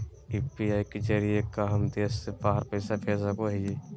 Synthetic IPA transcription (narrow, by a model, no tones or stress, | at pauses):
iːpiaːiked͡ʒəɾijekaɦəmd̪eːsːebaːəɾpəɪsapʰɛːsakoɦɛje